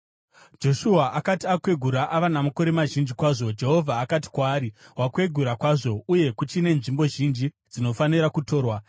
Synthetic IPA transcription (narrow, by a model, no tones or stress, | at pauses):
d͡ʒo̞ʃuaʔakatiakwe̞ɡʱuɾaʔaʋanamako̞ɾe̞maʒind͡ʒikwaːʐo̞d͡ʒe̞ɦo̞vʱaːkati̥kwaːɾiwakwe̞ɡʱuɾakwaːʐo̞uje̞kut͡ʃine̞nʐimbo̞ʒind͡ʒi | d͡zino̞faniɾakuto̞ːrwa